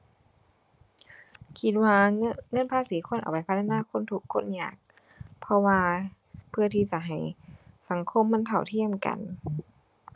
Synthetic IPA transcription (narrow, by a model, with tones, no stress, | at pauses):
kʰi˧˦t̪̚waː˧ŋɤ˧˥˨npʰaː˧˥˨siː˨˦kʰo˧˥˨nʔa˨wpa˨jpʰa˧˥t̪ʰːa˧naː˧˥˨kʰo˧˥˨nt̪ʰu˧˦kʰːo˧˥˨nɲaː˧˩k̚ | pʰɔ˧waː˧ | pʰɯ˧ɐt̪ʰiː˧˩t͡ɕa˧˩ɦa˨˩jsa˨˦ŋkʰo˧˨mːa˧˥˨nt̪ʰa˧˩wt̪ʰi˧˥˨əmka̰˨n